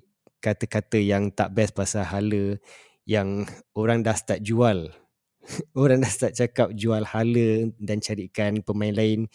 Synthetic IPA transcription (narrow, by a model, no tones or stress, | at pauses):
kat̪əkat̪əjaŋt̪aʔbɛsbasaɦalə | jaŋoɾaŋdast̪aʔ̪̚d͡ʒual | oɾaŋdast̪at̪̚t͡ʃakap̚d͡ʒualhalədant͡ʃaɾikanpəmainlaɪn